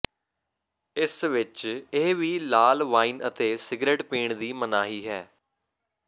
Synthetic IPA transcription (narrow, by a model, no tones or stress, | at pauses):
ɪsʋɪt͡ʃeɦʋiːlaːlʋaːiːnət̪eːsɪɡɾeːʈpiːɳd̪iːmənaːɦiːɦɛː